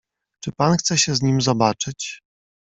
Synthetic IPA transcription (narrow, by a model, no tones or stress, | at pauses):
t͡ʂɘpanxt̪sɛɕɛzɲimzɔbat͡ʂɘt͡ɕ